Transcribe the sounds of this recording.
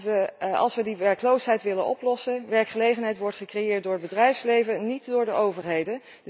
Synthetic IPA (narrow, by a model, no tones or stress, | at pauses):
əɑ̰lˠsʋədiʋɛɹklowsɦɛjtʋɪlənʔɔ̰plɔsəʋɛɹkχəlejχənɦɛjtʋɔɹtχəkrejɪːɹt̚dʊːɹəd̚bədrɛjfslejvənitdʊːɹdəʔowvəɹɦejdə